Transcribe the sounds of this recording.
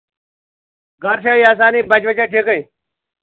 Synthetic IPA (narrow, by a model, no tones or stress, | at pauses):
ɡəɾʃaːiːaːs̬aːniːbət͡ʃʋət͡ʃaːʈʰeːkəĩː